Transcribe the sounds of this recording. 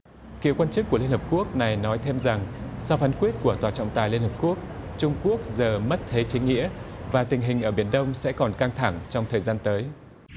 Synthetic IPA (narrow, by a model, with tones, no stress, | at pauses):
kḭ˧˨kwaː˧nt͡ɕɨ˦˥k̚ːəli˧nhə˨˩p̚ku˦˥ək̚na˨˩jnɔ˨˦jt̪ʰe˧mza˨˩ŋsa˧wfaː˨˦nkwi˦˥ət̚ku˧˩ət̪waː˨˩t͡ɕɔ̰˧˨ŋ͡mt̪aː˨˩jli˧nhəː˨˩p̚ku˦˥ək̚t͡ɕʊ˧ŋ͡mku˦˥ək̚zəː˨˩mə˦˥t̚t̪ʰe˨˦t͡ɕï˨˦ŋ̟ŋḭ˧˥əvaː˨˩t̪ï˨˩ŋ̟ɦï˨˩ŋ̟ʔəː˧˩ɓi˧˩ənɗə˧wŋ͡msɛ̰˧˥kɔ˨˩nkaː˧ŋt̪ʰa˧˩ŋt͡ɕɔ˧wŋ͡mt̪ʰəː˨˩jzaː˧nt̪əː˨˦j